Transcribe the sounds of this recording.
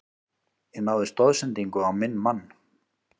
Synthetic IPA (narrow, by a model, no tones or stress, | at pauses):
ɛnawðɪst̪ɔðsɛnt̪iŋkʏawmɪnːmanː